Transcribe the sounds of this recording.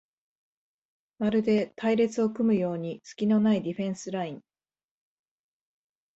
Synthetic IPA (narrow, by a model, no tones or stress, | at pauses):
maɾɯ̟d̪e̞t̪ʰaiɾe̞t͡sɨo̞kɯ̟mɯ̟jo̞ːɲ̟it͡sɨ̥kʲino̞naid̪ʲiɸẽ̞ɰ̃sɨɾaĩŋ